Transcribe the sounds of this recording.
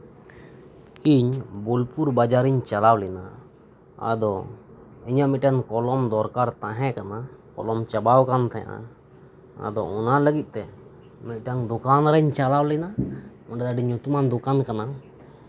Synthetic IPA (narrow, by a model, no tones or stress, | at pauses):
iɲbolpuɾbad͡ʒaɾiɲt͡ʃalawlɛna̰ | a̰d̪ɔ | iɲaʔmɛc̚ʈankɔlɔmd̪ɔɾkaɾt̪aɦɛ̃kanakɔ̰lɔmt͡ʃabawkant̪ʰɛ̰a̰ʔa̰ | a̰d̪ɔɔnaləɡit̪̚ˀt̪ɛ | mɛc̚ˀʈaŋd̪ɔkanɾɛɲt͡ʃalawlɛna | ɔɖɛd̪aɖiɲut̪umand̪ɔkankana